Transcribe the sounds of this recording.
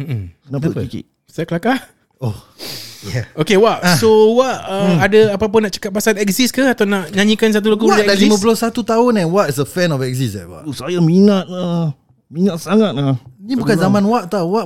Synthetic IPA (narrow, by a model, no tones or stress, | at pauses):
m̩m̩naʔpuikḭ | sajakəlakah | oh | jɛokewaʔsowaʔəmadaapap̬ənaʔt͡ʃə̥kat̪̚pasanɛk̚ziskahat̪awnãʔɲãɲĩkans̬at̪̬ulaɡuwaɛdalimə̃bəlosat̪ut̪aʊnɛ̃nwat̪is̬əfɛnɔfɛk̚sisɛ̰wa̰ʔsajaminat̪̚a | minat̪̚saŋat̪̚anibukanzamãnwaʔt̪awaʔ